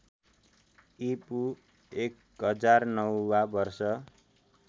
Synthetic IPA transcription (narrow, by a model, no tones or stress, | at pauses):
ipu | ek | ɦʌd͡zarnʌwːabʌrsʌ